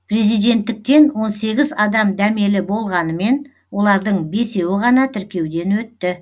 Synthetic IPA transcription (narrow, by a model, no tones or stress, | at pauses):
pʰɾʲe̞zijd̪e̞nt̪ːɪk̚t̪e̞nwo̞nse̞ɡʲɪzɑd̪ɑmd̪æme̞lɪbo̞lˠʁɑnəme̞n | wo̞lˠɑɾd̪əɴbe̞se̞wɪʁɑnɑt̪ʰɪɾkʲe̞wd̪e̞nwɵt̪ːɪ